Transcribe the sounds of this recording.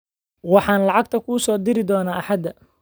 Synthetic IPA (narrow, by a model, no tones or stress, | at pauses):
wɑħɑːnlɑʕɑɡt̪ʰɐkʰusɔːd̪ɪɾɪd̪ɔːnaːʔħɑd̪ːɐ